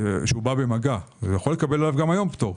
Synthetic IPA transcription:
ʃeubabe̞maɡajaxo̞le̞kabe̞lalavɡamajo̞mpt̪oʁ

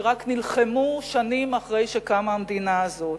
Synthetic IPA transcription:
ʁaknilχemuʃanimaχʁe̞jʃekamaːmd̪inaːzo̞t

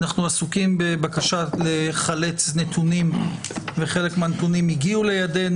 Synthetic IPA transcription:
naχnuasukimbebakaʃaleχalet͡sne̞t̪ʰunimveχe̞le̞kmeanet̪unimiɡiule̞jade̞n

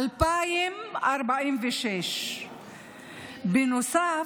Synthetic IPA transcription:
lpaːjɪmʔɑɾˤbaʔiːnvɪʃɛʃ | bɪnʊsaː

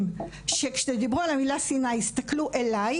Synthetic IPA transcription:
m | ʃekʃed̪ibʁualamilasinajist̪akluʔelaj

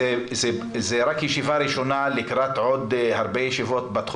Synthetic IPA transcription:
ze | zeɾakjeʃivaɾiʃonalikɾat̪ʕod̪haɾbejeʃivot̪bat̪χ

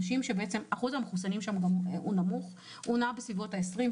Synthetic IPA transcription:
ʃimʃebeet͡semaχuzhameχusanimʃamɡamunamuχ | unabesvivo̞thaesʁim

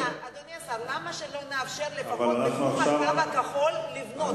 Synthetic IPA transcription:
aad̪onjasavamaʃeloneafʃeʁlepavalanaχnuaχʃavavakaχolːivno

